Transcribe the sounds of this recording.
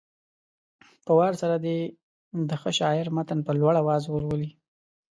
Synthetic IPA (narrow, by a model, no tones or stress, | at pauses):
pəwɑɾsaɾad̪e | d̪əxəʃɑɪɾmat̪anpəlwaɽawɑzwəɾwəli